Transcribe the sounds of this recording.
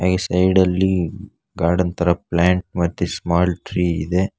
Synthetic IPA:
aːɡesɐjɖɐlːi | ɡaːɾɖɐnt̪ʰɐɾɐp̚laːɳʈ̚mɐt̪ːesmaːlʈɾiːḭd̪e

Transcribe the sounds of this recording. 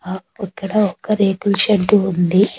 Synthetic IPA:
aikːɐɽɐɔkːɐɾeːkulʃɐɳɖuund̪i

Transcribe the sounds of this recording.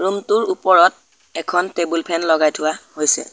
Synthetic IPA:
ɹumtʊɹupɔɹɔt̚ | ɛkʰɔntebulpʰɛnlɔɡajtʰʊwahojsɛ̰

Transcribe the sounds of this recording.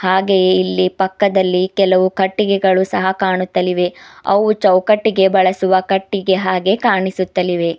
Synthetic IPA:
haːɡe̞jilːipɐkːɐd̪ɐlːikɛlɐʋukɐʈːiɡɛɡɐɭusɐɦɐkaːɳut̪ːɐliʋe̞ɐ̰ʋut͡ʃɐwkɐʈːiɡe̞bɐɭɐsuʋɐkɐʈːiɡe̞ɦaːɡe̞kaːɳisut̪ːɐliʋe̞

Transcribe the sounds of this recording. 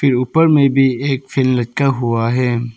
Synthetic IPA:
fʰɪɾʊːpəɾmẽbʱieːkfʰɪlmlɐtkaɦuaɦɛː

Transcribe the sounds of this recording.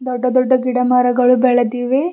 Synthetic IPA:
d̪ɔɖːɐd̪ɔɖːɐɡiɽɐmaːɾɐɡɐɭubɛɭɐd̪iːʋe

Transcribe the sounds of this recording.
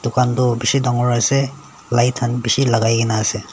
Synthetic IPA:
d̥ukʰandɔbisidaŋɔɹase | lajtʰanbisilaɡajɡinaːse

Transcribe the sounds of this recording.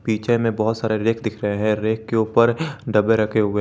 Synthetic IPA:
piːt͡ʃemẽbɐɦʊt̪saːɾeɾeːkʰd̪ɪkʰɾɐɦeɦɛ̃ɾeːkːeuːpəɾɖɐbeɾɐkʰeɦoːɡəe

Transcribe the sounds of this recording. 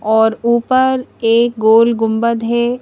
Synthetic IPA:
ɔːɾuːpəɾeːk̚ɡoːlɡʊ̃mbəd̪ɦɛ

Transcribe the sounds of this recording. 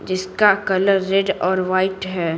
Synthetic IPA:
d͡ʒɪskakɐləɾːɛɖɔːɾʋaːɪʈɦɛː

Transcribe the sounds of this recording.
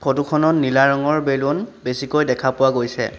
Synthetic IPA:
pʰotukʰɔnɔnːilaɹɔŋɔɹbelonbesikojdɛkʰapʊwaɡojsɛ̰

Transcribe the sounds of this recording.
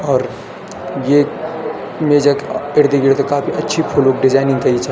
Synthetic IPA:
ɔːɾ | je | med͡ʒakeɾd̪iɡiɾt̪okaːpʰiʔɐtːʃʰipʰolokɖɪd͡ʒaːɪnɪ̃ŋk̪ɐit͡ʃʰa

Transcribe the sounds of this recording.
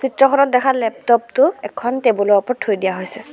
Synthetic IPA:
sitɹɔkʰɔnɔt̚dɛkʰalɛp̚tɔp̚tʊɛkʰːɔntɛbɔlɔɔpɔɹtʰːojdijaɦojsɛ

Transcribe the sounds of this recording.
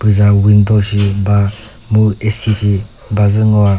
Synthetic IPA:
b̥ɯzawind̪ɔʃiba | muesit͡ʃi | bazɯŋɔa

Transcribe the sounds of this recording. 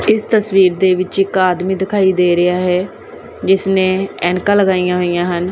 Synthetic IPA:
ɪst̪əsʋiːɾd̪eːʋɪt͡ʃɪkaːd̪mĩːd̪ɪkʰaːiːd̪eːɾɪaːɦɛː | d͡ʒɪsnẽːɛːnkãːləɡaːijãːɦoːijãːɦən

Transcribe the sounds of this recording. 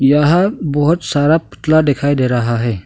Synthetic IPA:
jaɦabɔɦɔt̪saɾapu̥t̪lad̪ekʰajd̪eɾaɦaɦɛ

